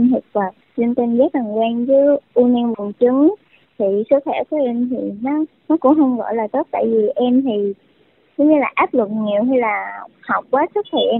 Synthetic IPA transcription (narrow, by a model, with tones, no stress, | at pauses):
nhi˨˩t̚vaː˨˩t̚zi˧əŋt̪i˧nzaː˦˥t̚a˨˩ŋkwɛː˧nzɨ˨˦ʔu˧ni˧nɓɨ˨˩ŋt͡ɕɨ˨˦ŋ | t̪ʰi˨˩sə˦˥t̚xɛː˧˩kɔ˨˦ʔɛ˧mt̪ʰi˨˩nɔ˨˦ | nɔ˨˦kʊ̰˧˥ŋ͡mɦə˧wŋ͡mɣɔ̰˧˨laː˨˩t̪o˦˥t̚t̪a̰ː˧˨jvi˨˩ʔɛ˧mt̪ʰi˨˩ | zɔ˨˦wɲɨ˧laː˨˩ʔaː˦˥p̚lɨ˨˩k̚ŋi˨˩əwɦɛ˧jlaː˨˩hɔ˨˩wk͡p̚kwaː˨˦sə˦˥k̚xɛ̰˧˩˥ʔ